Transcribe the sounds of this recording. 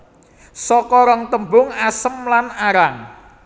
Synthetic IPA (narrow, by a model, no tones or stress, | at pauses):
sɔkɔɾɔŋt̪əmbʊŋasəmlanaɾaŋ